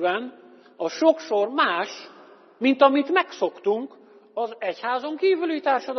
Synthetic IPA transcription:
bɛn | ɒʃo̞kʃo̞rmaːʃ | mint̪ɒmit̪mɛkso̞kt̪uŋk | ɒzɛchaːzo̞ŋkiːvylit̪aːrʃɒd̪

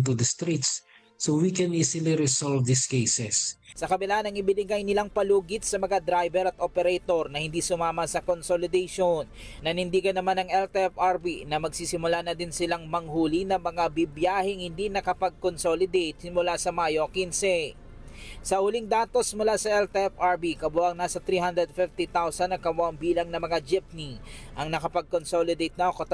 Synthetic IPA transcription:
t̪ud̪ɐst̪ɾit̪sː | owikɛ̃niːsiliɾɪsalvd̪iskejsɛssɐkɐbɪlaːhanɐŋɪbɪlɪɡajnɪlaŋpɐluːɡɪt̪̚sɐmɐŋad̪ɾajbɛɾɐt̪̚ʔopɛɾɛjt̪o̞ɾnɐhɪnd̪isʊmaːmɐsɐkonsolɪd̪ɛjʃonːɐnɪnd̪iːɡɐnːɐmanɐŋɛlt̪ɛɛfaɾbinɐmɐɡsisɪmʊlanɐd̪ɪnsɪlaŋmɐŋhuːlinɐmɐŋabibjaːhɪŋhɪnd̪inɐkɐpɐɡ̚konsolɪd̪ejt̪̚sɪmʊlasɐmajokinsɛ | sɐʔʊliŋd̪aːt̪o̞smʊlasɐʔɛlt̪ɛʔɛfʔɐɹbikɐbʊʔɐŋnaːsɐt̪ɾiːhand̪ɾɛd̪fift̪it̪awsɐnːɐŋkɐmoʔɐŋbiːlɐŋnɐmɐŋad͡ʒɪp̚niʔɐŋnɐkɐpɐɡ̚konsolɪd̪ejt̪̚nawkɐt̪

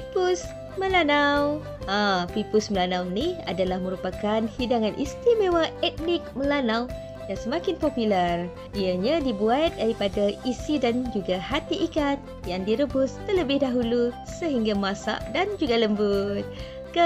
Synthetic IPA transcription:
pipʊs | mə̃lanaw | apipʊsməlanawniha̰dalahmə̃ɾupakanhidaŋanʔḭst̪imewaɛt̪̚nɪk̚məlanaw | jaŋsəmãkɪnpopilər | ʔiaɲadibuat̪̚daɾipadaisidand͡ʒuɡahat̪iʔikat̪̚ | jaŋdiɾəbʊst̪ərləbɪhdaɦulu | səɦiŋɡamãsa̰ʔdand͡ʒuɡaləmbʊt̪̚ | kə

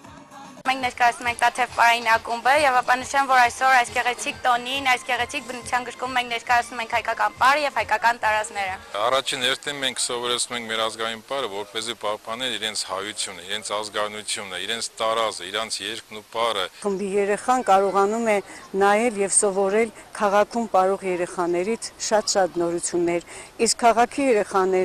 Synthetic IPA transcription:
mɛŋkʰnɛɾkɑjɑt͡sʰnumɛŋk̚ʰd̪ɑt̪ʰɛvpɑɾɑjinɑkumbəjɛvɑpɑnəʃɛmvɔɾɑjsɔɾɑjsɡɛʁɛt͡sʰik̚t̪ɔninɑjsɡɛʁɛt͡sʰik̚bənut͡sʰjɑnɡəɾkumːɛŋkʰnɛɾkɑjɑt͡sʰnumɛŋkʰhɑjkɑkɑnpɑɾəjɛvhɑjkɑkɑnt̪ɑɾɑznɛɾəɑrɑt͡ʃʰinhɛɾt̪ʰinmɛŋkʰsɔvɔɾɛt͡sʰnumɛŋkʰmɛɾɑzɡɑjinpɑɾəvɔɾpɛzipɑhpɑnɛɾiɾɛnt͡sʰhɑjut͡sʰjunəiɾɛnt͡sʰɑzɡɑɾnut͡sʰjunəiɾɛnt͡sʰt̪ɑɾɑzəiɾɑnt͡sʰjɛɾknupɑɾəχəmbijɛɾɛχɑnkɑɾɔʁɑnumɛnɑjɛljɛvsɔvɔɾɛlkʰɑʁɑkʰumpɑɾɔʁjɛɾɛχɑnɛɾit͡sʰʃɑt̪ʃɑt̪nɔɾut͡sʰjunːɛɾiskʰːɑʁɑkʰijɛɾɛχɑnɛ

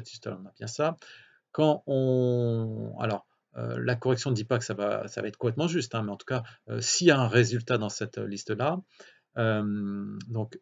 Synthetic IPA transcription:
ɛt̪ist̪aɔ̰ʁɔ̃nabjɛ̃sa | kɑ̃ɔ̃ | a̰lɔʁ | ø̰lakɔʁɛksjɔ̃nəd̪ipakə̥sava̰savaɛt̪χkɔ̃plɛt̪mɑ̃ʒyst̪ɛ̃mɛɑ̃t̪u̥kaø̰sijaɛ̃ʁezylt̪ad̪ɑ̃sɛt̪ø̰list̪əla | ømd̪ɔ̃k

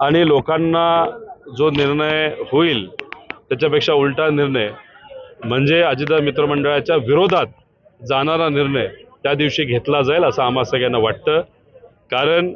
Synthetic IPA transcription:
aɽ̃ilokanːad͡zoniɾɳəjhoiːlt̪jat͡ɕjapekʂauɭʈaniɾɳəj | m̤əɳd͡zeəd͡ʑiːd̪amit̪ɾəməɳɖəɭjat͡ɕjaʋiɾod̪ʱat̪̚ | d͡zaɽ̃aɾaniɾɳəjt̪jad̪iʋɕiːɡʱet̪lad͡zaeləsaːmasəɡjanːaʋaʈ̚t̪əː | kaɾəɳ

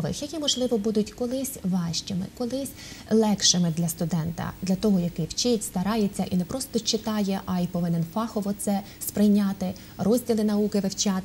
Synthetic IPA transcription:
ʋɪ̰xjɐkʲimɔʒlˠɪʋɔbud̪ʊtʲkɔlˠɪsʲʋɑʃt͡ʃɪmɪ̰kɔlˠɪsʲ | lˠɛkʃɪmɪd̪lʲɐst̪ʊd̪ɛnt̪ɐ̰d̪lʲɐt̪ɔɦɔjɐkɪwt͡ʃɪtʲst̪ɐɾɑjet͡sʲːɐʔinɛpɾɔst̪ɔt͡ʃɪt̪ɑjeʔɐipɔʋɪnɪnfɑxɔʋɔt̪sɛ | spɾɪjnʲɑt̪ɪ | rɔzʲdʲilˠɪnɐukɪʋɪwt͡ʃɑt̪

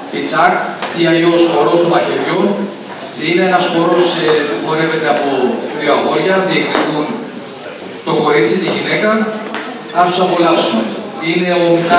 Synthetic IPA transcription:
it͡sɐkt̪iɐʎo̞sxo̞ɾo̞st̪omɐçeɾʝo | ineenɐsxo̞ɾo̞sepuxo̞ɾe̞vet̪e̞ɐpoɾiɐɣo̞ɾʝɐðieknikun | t̪o̞ko̞ɾit͡sit̪iʝine̞kɐ | θɐsu̥sɐpolɐpsume | ine̞on

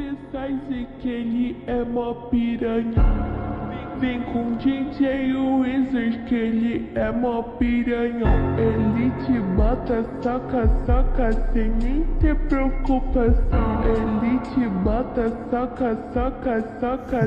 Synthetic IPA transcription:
pesajzɪkelɪɛmɔpiɾɐɲɐ̃vẽjvẽj̃kõd͡ʒĩt͡ʃejuʊizeɾkelɪɛmɔpiɾɐɲɐ̃elit͡ʃɪbɔt̪ɐsakɐsakɐsẽj̃nẽt̪epɾeokupasɐ̃w̃elit͡ʃɪbɔt̪ɐsakɐsakɐsakɐ

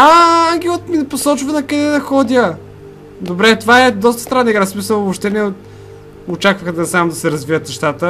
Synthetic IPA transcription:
aaŋɡʲɛlˠət̪minɐposɔt͡ʃvɐnɐkɐd̪ɛd̪ɐxɔd̪ʲjə | d̪obɾɛt̪ovaɛd̪ɔst̪ə̥st̪ɾanːiɡɾasmisəlˠbopʃt̪ɛnɛot̪ | ot͡ʃakvəxt̪ɛnɛsamd̪ɐsɛɾɐzviət̪nɛʃt̪at̪ə

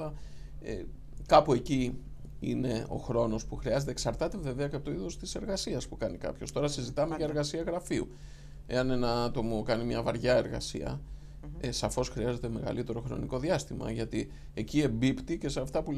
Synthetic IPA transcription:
ɐ | e | kɐpue̞ci | ḭne̞o̞̰xɾo̞no̞spuxɾiɐze̞t̪eksɐɾt̪ɐt̪ive̞ve̞ɐceɐpot̪oiðost̪i̥se̞ɾɣɐsiɐspukɐnikɐ̰pço̞st̪o̞ɾɐsizit̪ɐmeʝɐe̞ɾɣɐsiɐɣɾɐfiṵ | e̞̰ɐnenɐɐt̪o̞mokɐnimɲɐvɐɾʝɐe̞ɾɣɐ̰siɐ̰ | esɐfo̞sxɾiɐze̞t̪e̞me̞ɣɐ̰lit̪e̞ɾo̞xɾo̞̰niko̞ðiɐst̪imɐ̰ʝɐt̪i | e̞cie̞mbipt̪ice̞seɐft̪ɐpu

